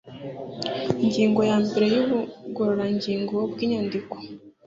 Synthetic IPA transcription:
iɲɟiːŋɡo̞jaːmbeɾejuβuɡoɾoɾaɲɟiːŋɡobɡiːɲondiko̥

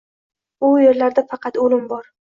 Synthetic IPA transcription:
ʊjeɾlaɾd̪afɑqʰɑt̪olɪmbɒɾ

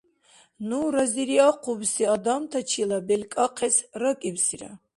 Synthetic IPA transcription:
nuɾaziɾiaqʰubsiad̪amt̪ʰat͡ʃʰilabɛlkʼaqʰɛsrakʼibsiɾa̰

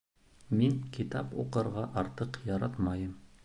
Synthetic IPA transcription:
miŋkit̪ɑpṵqɤ̆ɾʁɑʔɑɾt̪ɤqjɑɾɑt̪mɑjɤm

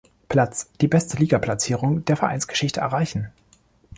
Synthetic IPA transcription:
pʰl̥at͡sd̥iːbɛstʰəliːɡapʰl̥at͡siːʁ̞ʊŋd̥eːɐfɛɐʔa̰ɪnsɡ̥ə̥ʃɪçtʰəɛ̰ɐʁaɪçn̩

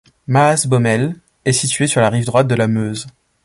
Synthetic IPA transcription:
maːsbɔmɛl | ɛsit̪ɥesyʁlaʁivd̪ʁwat̪̚d̪əlamøz

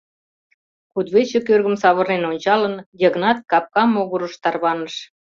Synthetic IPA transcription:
kud̪βet͡ɕekørɣəmsɑβə̆rnenonʲt͡ɕɑlə̆njəɣnɑt̪̚kɑp̚kɑmːoɣuɾəʃt̪ɑrβɑnəʃ

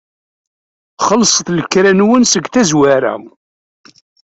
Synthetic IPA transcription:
χəlsˤəθləkːɾænwənsəɡθæzwaɾæ̰

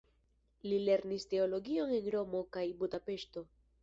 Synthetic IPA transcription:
lile̞ɾniste̞o̞lo̞ɡio̞ne̞nɾo̞mo̞kajbudape̞ʃto̞

